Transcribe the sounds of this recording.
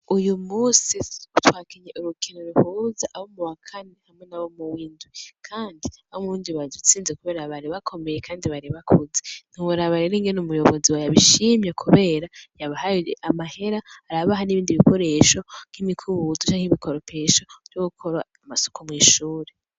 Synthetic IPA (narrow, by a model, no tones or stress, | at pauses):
ujumuːsiutwaːkiɲeʔuɾukʰinoɾuhuːzaʔahomuwakʰanehamŋe̞naβo̞muwiːndwikʰaːndiaβomuɾuːndiβadut͡siːnzekuβe̞ːɾaβaɾiβakʰo̞mejekʰaːndiβaɾiβakʰuzen̥uwuɾaβaɾeɾiŋɡenumujo̞βo̞ziwajaβiʃimjekʰuβe̞ːɾajaβaɦajeʔamahe̞ɾahaɾaβaɦaniβiːndiβiko̞ɾe̞ːʃo̞ŋ̥himikʰuβutut͡ʃaihiβikʰo̞ɾopʰeʃovjoɡukʰoɾa | amaso̥kʰomŋiːʃuːɾe